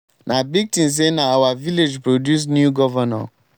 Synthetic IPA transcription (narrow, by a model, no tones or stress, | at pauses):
nʔãbik̚tĩns̬enãawaviled͡ʒpɾodjus̬njuɡɔvanɔ̰̃